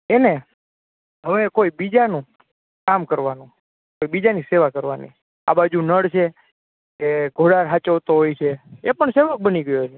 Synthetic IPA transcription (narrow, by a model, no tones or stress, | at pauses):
ene | ɦəʋekoibid͡ʒanũ | kamkəɾʋanũ | koibid͡ʒaniseʋakəɾʋanḭ | a̰bad͡ʒunəɽt͡ʃʰe | keɡʱoɽaɾɦat͡ʃəʋt̪oɦojt͡ʃʰeepəɳseʋək̚bəniɡəjot͡ʃʰe